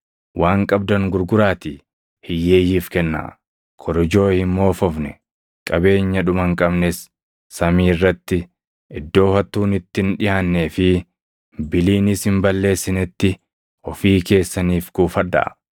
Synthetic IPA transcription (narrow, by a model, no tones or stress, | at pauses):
wʔaːŋkʼɐb̚d̪ɐŋɡʊɾɡʊɾaːt̪i | hɪjːeːjiːfkɛnːa̰ | kʰɔɾɔd͡ʒo̞ːhɪmːo̞ːfɔfnɛ | kʼɐbe̞ːɲːɐᶑʊmɐŋkʼɐbnɛsː | ɐmiːrːɐt̪ːɪ | ʔɪd̪ːo̞ːfɐt̪ːuːnɪt̪ːɪnᶑɪhanːeːfɪ | bɪliːnɪshɪmbɐlːe̞ːsːɪnɛt̪ːɪ | ɔfiːke̞ːsːɐniːfɡuːfɐdɐ̰ʔ